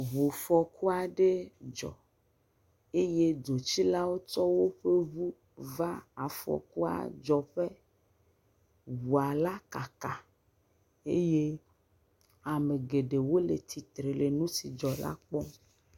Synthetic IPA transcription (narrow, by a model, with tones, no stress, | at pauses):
βu˨fɔ˨ku˦a˨ɖe˦d͡ʒɔ̰˨ | e˦je˦do˨t͡ʃi˦la˦wo˦t͡ʃɔ˦wo˦ɸe˦βu˦ | va˦a˨fɔ̰˨ku˦a̰˨d͡ʒɔ˨ɸe˦ | wu˨a˨la˦ka˨ka˨ | e˦je˦ | a˨me˨ɡe˨ɖe˨wo˦le˨t̪ʰi˨t̪ɾe˨le˨nũ˦si˨d͡ʒɔ˨la̰˦k͡pɔ˦